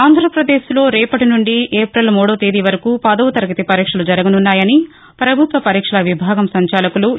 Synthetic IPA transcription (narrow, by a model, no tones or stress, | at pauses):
aːnd̪ʱɾɐpɾɐd̪eːslo̞ːɾɛːpɐʈinuɳɖieːpɾɐlmɔːɽɐːt̪eːd̪iʋɐɾɐkupɐd̪ɐʋut̪ɐɾɐɡɐt̪ipɐɾiːkʂɐlud͡ʒɐɾɐɡɐnunːaːjɐni | pɾɐbʱut̪ʋɐpɐɾiːkʂɐlɐʋibʱaːɡɐmsɐɲt͡ʃaːlɐkulu